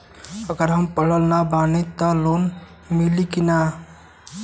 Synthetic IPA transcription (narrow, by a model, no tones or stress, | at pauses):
əɡəɾɦəmpəɽ̤əlnabanit̪əlon | milikina